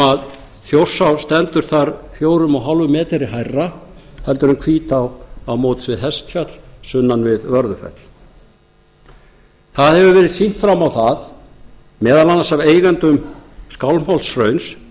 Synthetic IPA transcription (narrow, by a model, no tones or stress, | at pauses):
að | θjowr̥sawst̪ɛnt̪ʏɾ̥θaɾfjoːwɾʏmɔɦalvʏmɛːt̪ɛɾɪɦajrːa | hɛlt̪ʏɾʏmkʰviːt̪awawmowt̪svɪðɦɛst̪fjœt̪l̥sʏnːanvɪðvœɾðʏfɛ̰t̪l̥ | θaðhɛvʏvɛːɾɪðsin̥t̪fɾamawθað | mɛːðalanːasaveːjɣant̪ʏmskawlm̥hɔlsrœɥns